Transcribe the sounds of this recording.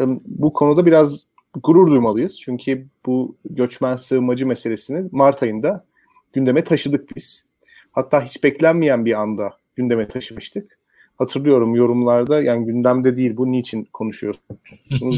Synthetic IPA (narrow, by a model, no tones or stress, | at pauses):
bukʰo̞nud̪abiɾaz | ɡuɾuɾd̪ujmalˠɯjɯz̥t͡ʃʰyɲcʰib̥uɟø̞t͡ʃmænsɯːmad͡ʒɯme̞se̞lʲe̞sinimaɾt̪ʰajɯnd̪a | ɟ̥ynd̪e̞mɛt̪ʰaʃɯd̪ɯk̚biz̥ | hat̪ʰːaːɦit͡ʃbɛclʲænmijænbiand̪a | ɟynd̪e̞mɛt̪ʰaʃɯmɯʃt̪ʰɯk | hat̪ʰɯɾlˠɯjo̞ɾumjo̞ɾumlˠaɾd̪ajaːniɟynd̪ʲæmd̪ɛd̪ijilʲbuniit͡ʃʰinkʰo̞nuʃujo̞sunuz